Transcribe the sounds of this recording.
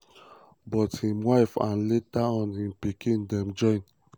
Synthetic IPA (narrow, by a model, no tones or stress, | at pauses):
bɔthĩmwaɪfã̰nletaɔ̃nhĩmpikĩndɛ̃md͡ʒɔ̃ɪ̃n